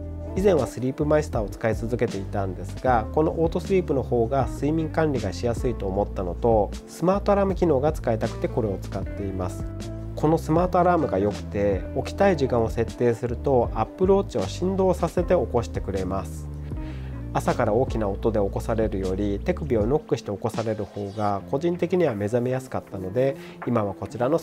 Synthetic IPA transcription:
izẽ̞ɰ̃βasɨɾʲiːpɯ̟maist̪aːot͡sɨ̥kait͡sɨzɨke̞t̪e̞it̪ãnd̪e̞sɨɡako̞no̞̰ʔo̞ːt̪o̞sɨɾʲiːpɯ̟no̞ho̞ːɡasɨimʲĩŋkãɲɾʲiɡaɕijasɨit̪o̞ːmo̞t̪ːano̞t̪o̞ | sɨmaːt̪oaɾaːmɯ̟kʲino̞ːɡat͡sɨ̥kaet̪akɯ̥t̪e̞ko̞ɾe̞o̞t͡sɨ̥kat̪ːe̞imasɨ̥ | ko̞no̞sɨmaːt̪o̞aɾaːmɯ̟ɡajo̞kɯ̟̥t̪e̞o̞kʲi̥t̪aiʑikãɰ̃o̞se̞t̪ːe̞ːsɨɾɯ̟t̪o̞apːɯ̟ɾo̞ːt͡ɕio̞ɕĩnd̪o̞ːsase̞t̪e̞o̞ko̞ɕi̥t̪e̞kɯ̟ɾe̞masɨ̥ | asakaɾao̞ːkʲinao̞t̪o̞d̪e̞o̞ko̞saɾe̞ɾɯ̟jo̞ɾʲit̪e̞kɯ̟bʲio̞no̞kːɯ̟ɕi̥t̪e̞o̞ko̞saɾe̞ɾɯ̟ho̞ːɡako̞ʑĩnt̪e̞kʲiɲ̟iβame̞zame̞jasɨ̥kat̪ːano̞d̪e̞ | imaβ̞ako̞t͡ɕiɾano̞

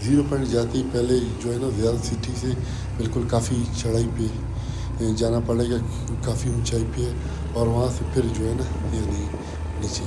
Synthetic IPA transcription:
ziːɾopəɳʈd͡ʒaːt̪eipɛɦled͡ʒoːɦɛnazɪjaːd̪ət̪sɪʈʰise | bɪlkʊlkaːfit͡ʃʰɐɽ̤aːipe | d͡ʒaːnapɐɽeɡa | kaːfiɦũt͡ʃaːipɪe | ɔːɾʋɐɦãsepʰɪɾd͡ʒoːɦɛna | jãːni | nɪt͡ʃe

